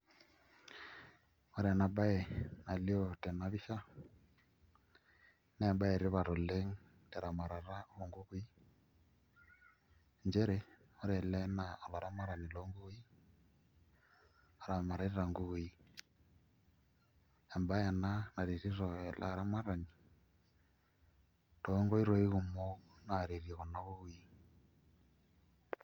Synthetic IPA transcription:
ɔ˦ɾɛ˨na˨ɓa˦ɛ˨na˨li˦ɔ˦˨tɛ˨na˨βi˦ʃa˦ | nɛ˦˨ɓa˦ɛ˨ɾi˦βa˨ɾɔ˨lɛ˦ŋ˦ | tɛ˨ɾa˨ma˨ɾa˨ɾa˦ɔ˨ŋɡu˦βu˦i˦ | nd͡ʒɛ˦ɾɛ˨ | ɔ˦ɾɛ˨lɛ˦na˨ɔ˨lɔ˨ɾa˦ma˦ɾa˨ni˨lɔ˦ŋɡu˦i˦ | a˨ɾa˨ma˨ɾa˨˦ɾi˦ɾa˨ŋɡu˦ɣu˨i˦ | e˨mba˦ja˨na˦na˨ɾe˨ɾi˦ɾɔ˨la̰˨ɾa˦ma˦ɾa˨ni˨ | to˦ŋɡo˦i˦ɾo˨i˦ɣu˨mo˦ | na˨ɾe˨ɾi˨ɣo˨na˦ɣu˦ɣu˦i˦

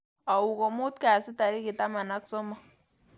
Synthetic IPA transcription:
a˨wu˨kɔ˨mʊ˦tka˨sɪ˦ta˨ɾi˦kɪ˨ta˦ma˨na˦ksɔ˦mɔ˨

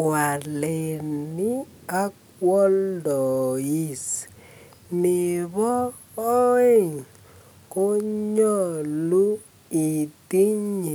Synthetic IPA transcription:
wa˨le˨ni˦a˦k̚ | wɔ˦ldɔ˨ji˦˨s | ni˨βɔ˦ | e˦˨ŋ | ko˦ɲɔ˦˨lu˦ | i˨ti˦ɲi˨

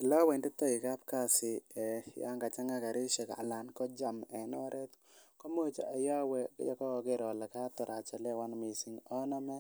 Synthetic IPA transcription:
ɪ˨la˦wɛ˨ndɪ˦tɔ˦ɪ˨ka˦p̚ka˦˨sɪ˨ja̰˦ŋɡa˨t͡ʃa˦ŋa˦ka˨ɾɪ˦ʃɛ˨ka̰˨la˨nkɔ˦d͡ʒa˨mɛ˨nɔ˦ɾʔɛ˦t | ko˦mo˦t͡ʃa˨a˨ja˦wɛ̰˦ja̰˦kɔ˦ɔ˨ɡe˦ɾɔ˨la˨ka˦tɔ˨ɾa˨t͡ʃa˨lɛ˦wa˦nmɪ˨sɪ˨ŋɔ˦nɔ˦mɛ˦

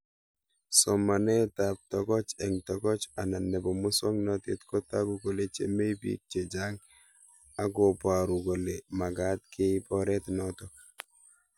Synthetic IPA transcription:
sɔ˨ma˨nɛ˦ta˨p̚tɔ˨kɔ˦t͡ʃɛ˨ŋtɔ˨kɔ˦t͡ʃa˨na˨nːɛ˨bɔ˨mʊ˦sɔ˦ŋnɔ˦tḛ˦tkɔ˦ta˦ku˨ɡo˨le˨t͡ʃḛ˦me˦ibḭ˦k̚t͡ʃe˨d͡ʒa˦ŋ | a˦ɡo˨pa˨ɾu˨ɡo˨le˨ma˨ɡa˦t̚kʰe˦i˦pɔɾɛ˦tnɔ˦tɔ˨

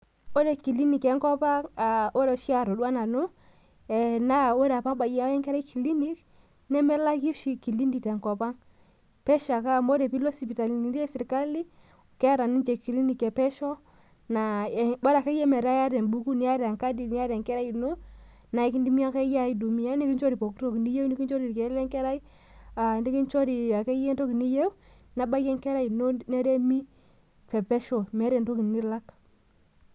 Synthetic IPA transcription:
o˦ɾe˨ki˨li˦ni˨ke˨˦ŋko˦pa˦ŋa˨o˦ɾe˨ʃi˦a˨ɾo˨ɗu˦a˦na˨nu˦ | e˨na˦˨wo˦ɾa˨pa˦ŋɓa˨ji˦a˦e˦ŋke˦ɾa˦i˦ki˨li˦ni˦k | ne˦me˦la˦ki˦ʃi˦ki˨li˦ndi˨te˨ŋko˨pa˦ŋ | pe˦ʃa˨ka˦˨mo˦de˨pi˦lo˦si˨pi˨ta˨li˨ni˨ndi˦e˦si˨ɾka˦li˦˨ | ke˦a˦ɾa˨ni˦nd͡ʒe˨ki˨li˦ni˨ke˨pɛ˦ʃo˦ | na˨ba˦ɾa˨ke˦je˦mɛ˨ɾa˦ja˦ɾɛ˨nbu˦ku˦ni˨˦a˦ɾa˨ŋka˦di˨ni˦a˦ɾe˨ŋkɛ˦ɾa˦ji˨no˦ | na˨i˦ki˦ndi˦mi˦a˦ke˦ja˦i˦du˨mi˦ja˦ni˦ki˦nt͡ʃɔ˦ɾi˨po˨kto˦ki˨ni˦je˦wni˦ki˦nt͡ʃɔ˦ɾi˨kɛ˨˦lɛ˦ŋkɛ˦ɾa˦i˦ | a˨ndi˦ki˦nt͡ʃo˦ɾi˨a˨ke˦jɛ˦nto˦ki˨ni˦je˦w | na˨ba˦jɛ˦ŋkɛ˦ɾa˦i˨no˦nɛ˦ɾɛ˦mi˦ | pɛ˨pɛ˦ʃɔ˨mɛ˨˦ɾɛ˨nto˦ki˨n˨ni˦la˦k

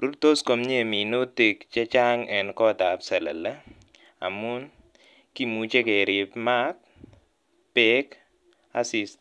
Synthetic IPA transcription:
ɾu˦ɾt̪o˦sko˨mɲe˦˨mi˨no˦te˨kt͡ʃɛ˦t͡ʃa˦ŋʔɛ˨nkɔ˦˨ta˨psɛ˨lɐ̰˨lə˦ | a̰˨mu˦n | ki˦mu˨t͡ʃe˦ke˨ɾi˨pma˦k̚ | pek | a̰˦si˨st

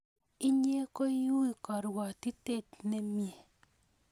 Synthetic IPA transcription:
i˦ɲe˦kɔ˦ju˦i˨kɔ˨ɾwa˨ti˦te˦˨t̚ne˨mje˨

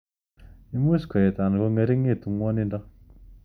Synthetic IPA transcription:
i˦mu˦skɔ˨je˨ta˨n˨ɡɔ˦ŋe˨˦ɾi˦ŋe˦˨tu˨ŋwɔ˦ni˦ndɔ˦

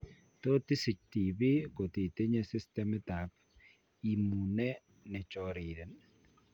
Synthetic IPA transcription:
to˦t̪ɪ˦si˨t͡ʃti˨bi˦ko˨t̪i˨t̪e˦ɲe˦sɪ˦stɛ˦mɛ˦ta˨p̚ | i˨mu˨nɛ˦ | nɛ˨t͡ʃɔ˨ɾi˨dɛ˨n

